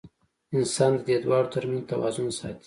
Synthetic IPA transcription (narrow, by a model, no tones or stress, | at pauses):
ɪnsɑnd̪əd̪ed̪wɑɽot̪aɾmint̪awɑ̰zʊnsɑ̰t̪i̥